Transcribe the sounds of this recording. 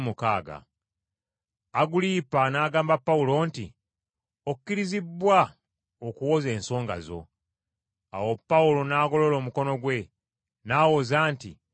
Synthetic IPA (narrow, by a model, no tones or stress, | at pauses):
mukaːɡa̰ | aɡuliːpanaːɡaːmbapːaulo̞ːntḭ | okukːiɾizibːwa | okuwo̞ze̞ːnso̞ːŋɡa̰zo̞̰ | a̰wo̞pːaulo̞naːɡo̞lo̞lo̞ːmuko̞no̞ɡwe̞ | naːwozaːntḭ